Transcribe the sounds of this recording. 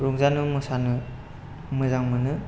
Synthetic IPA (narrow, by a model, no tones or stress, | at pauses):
ɾɔŋzanɯmɯsanɯ | mɯzaŋmɯnɯ